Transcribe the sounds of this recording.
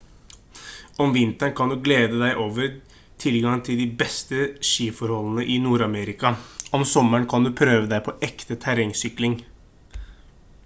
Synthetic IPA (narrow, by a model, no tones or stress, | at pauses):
ɔmʋɪnt̪əɳkʰɑnd̪ʉːɡleːd̪əd̪æɪʔoːʋəɾ | t̪ʰɪlɡɑŋt̪ʰɪld̪ɪbɛst̪əʃiːfɔɾhɔlənəʔɪnuːɾɑmeɾɪkɑɔmsɔməɳkʰɑnd̪ʉːpʰɾøːʋəd̪æɪpʰɔʔɛkt̪ət̪ʰæɾɛŋsʏklɪŋ